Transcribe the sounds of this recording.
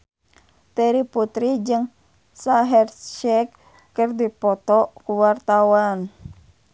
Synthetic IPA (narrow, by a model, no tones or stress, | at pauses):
t̪ɛɾiput̪ɾid͡ʒɨŋ | saɦɛrt͡ʃɛkː | ərdipɔt̪ɔkuwart̪awan